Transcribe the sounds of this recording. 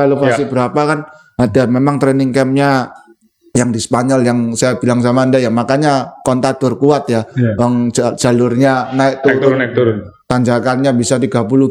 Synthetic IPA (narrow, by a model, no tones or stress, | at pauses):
alopast̪ibəɾapakan | adamemaŋt̪ɾɛnɪŋkɛmɲa | jaŋdisə̥paɲɔljaŋsajabilaŋs̬amaːndajaŋmakaɲakɔnt̪at̪ʊrkuat̪̚jaəŋd͡ʒd͡ʒ̥alʊrɲanaɪk̚t̪uɾʊut̪aɲd͡ʒakanɲabisat̪iɡapulu